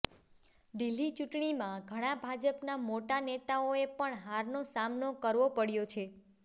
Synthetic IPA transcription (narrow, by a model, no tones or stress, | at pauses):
ɖ̪ilːit͡ʃuʈɳimãɡʱəɽ̃ãbʱad͡ʒəpnamoʈanet̪aoepəɳɦaɾnosamnokəɾʋopəɽjot͡ʃʰe